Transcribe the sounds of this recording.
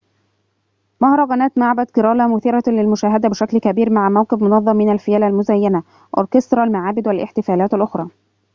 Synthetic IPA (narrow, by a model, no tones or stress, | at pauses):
mɑhɾˤɑɣænæːt̪maʕbæt̪ɡɪɾˤɑːlæmʊθiːɾælɪlmʊʃæːɦæd̪æbɪʃæklkæbiːɾmaʕmæwqɪbmonɑðˤːɑmːɪnælfɪjæːlælmʊzæjːænæ | ʔo̰ɾˤkest̪ɾˤɑlmaʕaːbɪd̪wælʔɪ̰ħt̪ɪfæːlæːt̪alʔʊxɾˤɑː